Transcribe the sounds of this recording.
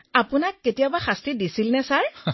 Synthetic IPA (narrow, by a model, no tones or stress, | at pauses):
apunakːetijabaxastɹidisilnɛsaɹ